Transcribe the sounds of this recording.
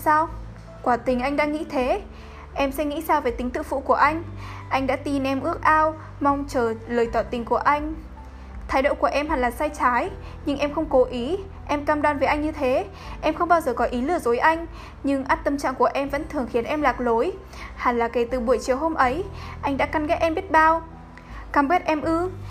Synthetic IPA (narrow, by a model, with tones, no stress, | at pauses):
saː˧w | kwaː˧˩t̪ï˨˩ŋ̟ʔa˧jŋ̟ɗa̰ː˧˥ŋḭ˧˥t̪ʰe˨˦ | ʔɛ˧msɛ̰˧˥ŋḭ˧˥saː˧wve˨˩t̪ï˨˦ŋt̪ɨ̰˧˨fṵ˧˨ku˧˩əʔa˧jŋ̟ʔa˧jŋ̟ɗa̰ː˧˥t̪i˧nʔɛ˧mʔɨ˦˥ək̚ʔaː˧w | ma˧wŋ͡mt͡ɕəː˧˩ləː˨˩jt̪waː˧˨˩t̪ï˨˩ŋ̟ku˧˩əʔa˧jŋ̟ | t̪ʰaː˨˦jɗo̰˧˨ku˧˩əʔɛ˧mha˨˩laː˨˩saː˧jt͡ɕaː˨˦j | ɲɨ˧ŋʔɛ˧mxə˧wŋ͡mko˨˦ʔi˨˦ | ʔɛ˧mkaː˧mɗwaː˧nveː˨˦jʔa˧jŋ̟ɲɨ˧t̪ʰe˨˦ | ʔɛ˧mxə˧wŋ͡mɓaː˧wzəː˨˩kɔ˨˦ʔi˨˦lɨ˧˩əzo˨˦jʔa˧jŋ̟ | ɲɨ˧ŋʔaː˦˥t̚t̪ə˧mt͡ɕa̰ː˧˨ŋku˧˩əʔɛ˧mvə̰˧˥nt̪ʰɨ˨˩əŋxi˨˦ənʔɛ˧mlaː˨˩k̚lo˨˦j | ha˨˩nlaː˨˩ke˨˩t̪ɨ˨˩ɓu˧˩əjt͡ɕi˨˩əwɦo˧mʔə˨˦jʔa˧jŋ̟ɗa̰ː˧˥ka˧nɣɛ˦˥t̚ʔɛ˧mɓi˦˥t̚ɓaː˧w | kaː˧˩mke˦˥t̚ʔɛ˧mʔɨ˧